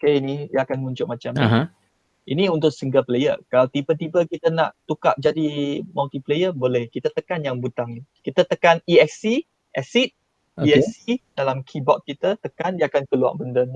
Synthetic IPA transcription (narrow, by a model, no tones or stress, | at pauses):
keinijəakanmuɲt͡ʃʊʔ̚mãt͡ʃam | ʔiniunt̪ʊʔsiŋɡəplejə̰kalawt̪ibət̪ibəkit̪əna̰ʔt̪uka̰ʔ̚d͡ʒadimalt̪iplejəbolɛhkit̪ət̪əkanjaŋbut̪aŋkit̪ət̪əkaniɛksi | ʔɛsit̪̚ | iɛsid̥alamkʰibɔt̪̚kit̪ət̪əkandiəakankəlua̰ʔbəndən